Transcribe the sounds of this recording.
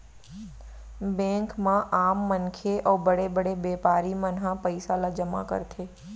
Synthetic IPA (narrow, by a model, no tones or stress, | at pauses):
bɛ̃ŋkmãʔaːmːənkʰeʔɔːbəɽebəɽebeːpaːɾimənɦãpəɪsalad͡ʒəma̰kə̰ɾt̪ʰe